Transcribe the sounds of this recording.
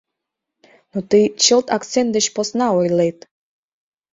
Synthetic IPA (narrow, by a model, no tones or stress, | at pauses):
nut̪ɨt͡ɕəlˠt̪akt̪sent̪d̪əɕposnɑojlˠejt̪